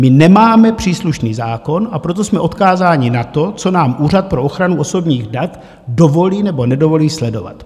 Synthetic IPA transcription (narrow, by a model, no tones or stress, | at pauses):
mɪnɛmaːmɛpr̝̥iːsluʃniːzaːko̞nʔapɾo̞t̪̬o̞smɛʔo̞t̪kaːzaːɲɪnat̪o̞t͡so̞naːmʔuːrat̪̚pɾo̞ʔo̞xɾanuo̞so̞bɲiːɣdat̪ | do̞vo̞liːnɛbo̞nɛdo̞vo̞liːslɛdo̞̰va̰t̪